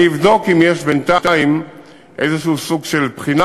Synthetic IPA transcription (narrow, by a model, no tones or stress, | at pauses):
ivd̪o̞kimjeʃbent̪at̪im | ʔezeʃuusuɡʃelpχina